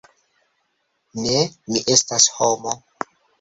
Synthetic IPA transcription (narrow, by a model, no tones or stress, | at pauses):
nemiʔe̞stashomo